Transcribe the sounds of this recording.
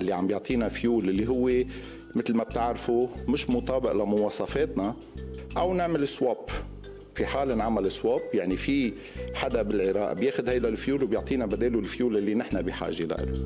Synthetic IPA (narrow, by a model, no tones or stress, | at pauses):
ɪlːiʕambjʊʕt̪ˤʰiːnafjuːlʔɪlːiɦʊwːe | mɪt̪lmab̚t̪ɪʕɾfumɪʃmʊt̪ˤɑːbɪʔlamʊwɑːsˤɑfeːt̪na | ʔawnɪʕmɪlɪswob | fiħaːlnʕamalɪsːwobjaʕnifi | ħad̪abɪlʕɪɾɑːʔa̰bjeːxʊd̪hajd̪alfjuːlwbjʊʕt̪ˤiːnabad̪eːlulfjuːlʔɪlːinɪħnabiħa̰ːʒela̰ʔɪ̰lu